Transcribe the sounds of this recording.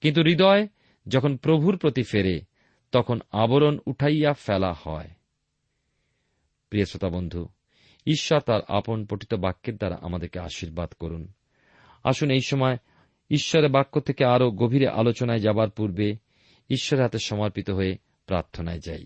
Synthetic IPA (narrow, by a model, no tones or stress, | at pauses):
kint̪̬uɾid̪ɔe | d͡ʑɔkʰonpɾobʱuɾpɾot̪ifeɾe | t̪ɔkʰonaboɾonuʈʰajafɛlahɔ̰e | pɾiosot̪abond̪ʱu | iʃːɔɾt̪aɾa̰ponpoʈit̪obakːeɾd̪aɾa̰ʔa̰mad̪eɾkea̰ʃiɾbad̪koɾun | a̰ʃunejʃɔmɔe | iʃːɔɾebakːot̪ʰekeaɾoɡobʱiɾeʔa̰lot͡ɕonaed͡ʑabaɾpuɾbe | iʃːɔɾeɾɦat̪eʃɔmaɾpit̪oɦoe | pɾaɾt̪ʰonaed͡ʑa̰j